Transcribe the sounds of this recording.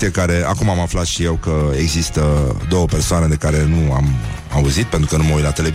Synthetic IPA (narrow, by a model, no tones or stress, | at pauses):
iekaɾe̞akumamaflat̪ʃije̞wkəeɡzist̪əd̪o̞wəpe̞rsoane̞d̪e̞kaɾe̞nua̰mauzit̪pe̞nt̪ɾukənuməut̪lat̪ele̞